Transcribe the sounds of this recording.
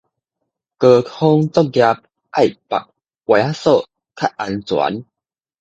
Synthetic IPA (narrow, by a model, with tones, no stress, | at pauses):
kə˧kʰo˦ŋt͡sɔ˦k̚ɡja˧p̚ | ʔa˥˩˨jpa̰˨k̚ | wa˨˩a˦so˥˨ | kʰa˦˩t̚ʔa˧nt͡swa̰˨˦n